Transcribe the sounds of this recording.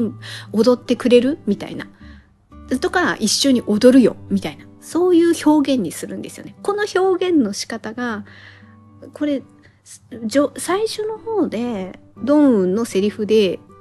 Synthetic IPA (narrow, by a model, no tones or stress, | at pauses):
o̞d̪o̞t̪ːe̞kɯ̟ɾe̞ɾɯ̟mʲit̪a̰ḭna | at̪o̞kaɾa̰ʔiɕːo̞ɲ̟iʔo̞d̪o̞ɾɯ̟jo̞̰mʲit̪ainaso̞ːjɯ̟ːço̞ːɡẽ̞ɲ̟ːisɨɾɯ̟̃nd̪e̞sɨjo̞̰neko̞no̞ço̞ːɡẽ̞nːo̞ɕi̥kat̪aɡa | ko̞ɾe̞ | d͡ʑosaiɕo̞no̞ho̞ːd̪e̞ | d̪õ̞ɰ̃ɯ̟̃nːo̞se̞ɾʲiɸɯ̟d̪e̞